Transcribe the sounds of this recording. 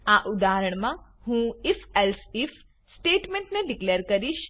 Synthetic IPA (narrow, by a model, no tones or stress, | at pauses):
aʔud̪aɦəɾəɽ̃mãhũifɛlsif | sʈeːʈmẽɳʈneɖikleːɾkəɾiʃ